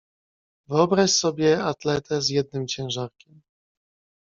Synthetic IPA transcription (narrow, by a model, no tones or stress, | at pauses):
vɘɔbɾaɕsɔbʲjɛat̪lɛt̪ʰɛzjɛd̪̚nɘmt͡ɕɛ̃w̃ʐaɾkʲɛm